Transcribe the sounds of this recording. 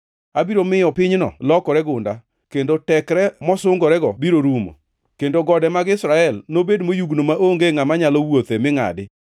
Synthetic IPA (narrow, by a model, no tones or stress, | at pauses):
abiɾomɪjɔpɪɲnɔ̰lɔkɔɾɛɡʊnda | kendotɛkɾɛmɔsʊŋɡɔɾɛɡɔbiɾoɾumo̰ | kendoɡɔdɛmaɡɪsɾaɛlnobedmojuɡnomaʔoŋɡeŋamaɲalɔwot̪emɪŋa̰dɪ